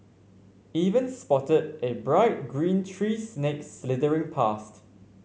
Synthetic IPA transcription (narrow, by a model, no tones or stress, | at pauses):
ivə̃nspɔtədebɹaɪt̚ɡɹĩntʰɹiːsnekslɪtəɹɪ̃ŋpʰast